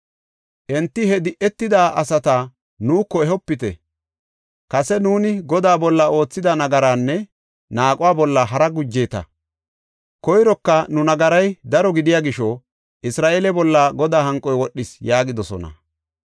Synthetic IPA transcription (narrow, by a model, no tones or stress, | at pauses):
ʔɛnt̪ːɪhɛd̪ɪʔɛt̪ːɪd̪aːʔɐsɐt̪a | nuːkːɔɛɦɔpːɪt̪ɛ̰ | kɐsɛnuːnɪɡɔd̪aːbɔlːɐo̞ːt͡sːɪd̪ɐnɐɡɐɾaːnːɛ | naːkʼʊwaːbɔlːɐɦɐɾɐɡʊd͡ʒːeːt̪ɐ̰ | kɔjɾɔkːɐnʊnɐɡɐɾɐjd̪ɐɾɔɡɪd̪ɪjaːɡɪʃɔ | ʔɪsɾaːʔeːlɛbɔlːaɡɔd̪aːhɐŋkʼːɔjwɔɗːɪsjaːɡɪd̪ɔsɔ̰nɐ̰